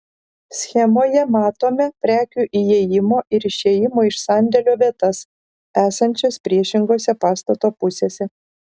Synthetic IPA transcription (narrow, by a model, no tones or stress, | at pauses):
sʲxʲɛmoːjɛmɑːt̪oːmʲɛpʲɾʲæːkʲuːʔijeːjɪmoːʔɪɾɪʃʲeːjɪmoːɪʃsɑˑnʲd̪ʲɛlʲoːʋʲiɛt̪ɐs | æːsɐnʲt͡ʃʲoːspʲɾʲiɛʃʲɪŋɡoːsʲɛpɑːst̪ɐt̪oːpʊsʲeːsʲɛ